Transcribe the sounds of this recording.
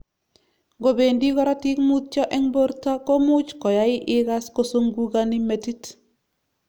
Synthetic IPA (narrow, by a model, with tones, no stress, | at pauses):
ɡo˨be˨ndi˦ɡɔ˦ɾa˦ti˦kmut̚t͡ʃɔ˦ʔɛ˦ŋbo˦ɾta˦ko˦mut͡ʃkɔ˨jai˦ʔiɡasko˦soŋɡuɡanimetit